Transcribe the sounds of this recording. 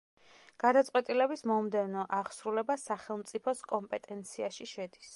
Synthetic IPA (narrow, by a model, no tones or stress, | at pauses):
ɡ̥ad̪at̪sʼqʼwɛt̪ʼilɛbismɔmd̪ɛnɔʔaʁsɾulɛbasaχɛlˠmt̪sʼipʰɔskʼɔmpʼɛt̪ʼɛnt̪sʰiaʃiʃɛd̪is